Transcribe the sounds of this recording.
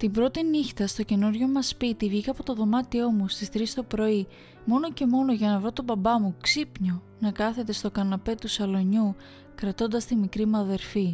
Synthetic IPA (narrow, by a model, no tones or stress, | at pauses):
t̪imbɾo̞t̪inixt̪ɐst̪o̞ce̞nuɾʝo̞mɐspit̪ivʝikɐpo̞t̪o̞ðo̞mɐt̪io̞must̪ist̪ɾist̪o̞pɾo̞i | mo̞no̞ce̞mo̞noʝɐnɐvɾo̞t̪o̞bɐbɐmuksipɲo̞ | nɐkɐθe̞t̪e̞st̪o̞kɐnɐpe̞t̪usɐlo̞ɲu | kɾɐt̪o̞nd̪ɐst̪imikɾimɐðe̞ɾfi